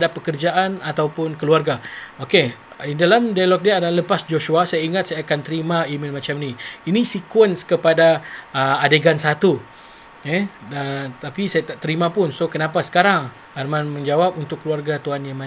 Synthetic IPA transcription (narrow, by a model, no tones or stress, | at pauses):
adapəkərd͡ʒaʔanat̪awpʊnkəluarɡaoke | idalamdajalɔk̚diaadalləpasd͡ʒoʃuasajaiŋat̪̚sajaːkant̪əɾimãimilmat͡ʃamniinisikwənskəpadaəadeɡansat̪u | ɛət̪apisajat̪aʔt̪əɾimãpʊnsokənapasə̥kaɾaŋ | armanmə̃ɲd͡ʒawap̚unt̪ʊkːəluarɡat̪uanjaŋma